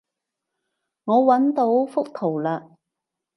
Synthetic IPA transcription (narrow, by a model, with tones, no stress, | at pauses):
ŋɔː˨˧wɐ˨˥nt̪o˨˥wfʊ˥k̚t̪ʰo˨˩wlaː˧